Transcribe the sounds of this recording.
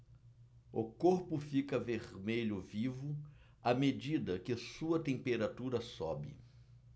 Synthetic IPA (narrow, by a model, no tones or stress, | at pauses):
ʊkoɾpʊfikɐveɾmeʎʊvivʊ | amed͡ʒid̪ɐkɪsuɐt̪ẽpeɾat̪uɾɐsɔ̰bɪ̰